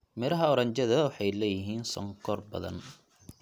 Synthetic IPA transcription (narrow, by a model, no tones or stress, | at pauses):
mɪɾɐɦɐɔɾɐɲt͡ʃɐðɐwħɑjlɛːjɪɦiːnsɔ̰ŋkʰɔrbɐ̰ðɐ̰n